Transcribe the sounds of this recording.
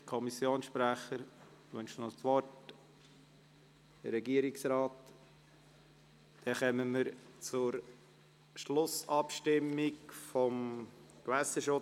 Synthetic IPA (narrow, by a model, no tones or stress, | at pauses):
kʰɔmisjoːnsʃpɾæχəɾ | ʋœnʃnɔt͡sʋɔrt | d̥əɾːɛɡiəɾiksɾɑːt | d̥ɛχɛməməɾt͡sʊɾ | ʃlʊsɑpʃtɪmːikfɔmkʋæsəʃʊ